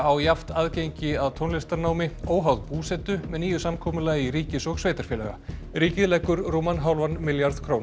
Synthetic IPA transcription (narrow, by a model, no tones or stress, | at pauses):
awjaft̪aːðcejɲcɪaðt̪ʰownlɪst̪aɾnaːwmɪoːwɦawðpuːsɛt̪ʏmɛðniːjʏsamkʰɔːmʏlaiɾiːcɪsɔɣsveːjt̪aɾ̥fjɛːlɛ̰ɣa̰ | ɾiːcɪðlɛkːʏɾroːmanɦawlvanmɪljaɾðkʰɾown